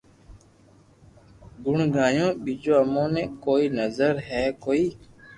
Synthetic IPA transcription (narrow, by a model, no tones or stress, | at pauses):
ɡʊɳɡãːjõːɓiːd͡ʒoːəmõːnẽːkoːiːnəzəɾɦɛːkoːiː